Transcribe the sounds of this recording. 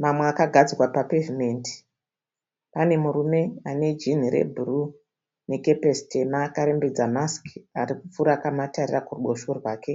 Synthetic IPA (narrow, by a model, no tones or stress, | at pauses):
mamweakaɡʱad͡zirwapapevime̞ːnti̥ | pane̞muɾume̞ane̞d͡ʒin̤iɾḛbʱuru | ne̞ke̞pestemaːkaɾe̞mbed͡zamaskaɾikup͡fuɾakamatarirakuruɓoʃorwaːke̞